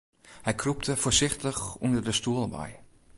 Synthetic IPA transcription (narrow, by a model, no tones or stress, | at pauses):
hɛjkʰrup̚tʰəfoːsɪxtəxundərdəstuəlˠʋɛ̰j